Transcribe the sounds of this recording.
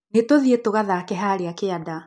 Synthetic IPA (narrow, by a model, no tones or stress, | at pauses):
netoðietoɣaðakɛɦaɾeakeada